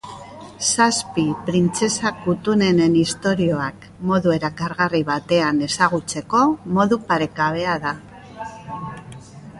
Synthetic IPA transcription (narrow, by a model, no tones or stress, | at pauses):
saspipɾint͡se̞sakut̪une̞ne̞nist̪o̞ɾio̞ak | mo̞ðue̞ɾakaɾɣariβat̪e̞ane̞saɣ̞ut͡se̞ko̞mo̞ðupaɾe̞kaβ̞e̞aða